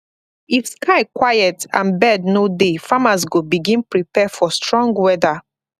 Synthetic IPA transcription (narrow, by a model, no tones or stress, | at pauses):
ifskaɪkwajɛtã̰nbɛdnodefamasɡobiɡĩnpɹipɛfɔstɹɔ̃ŋɡwɛda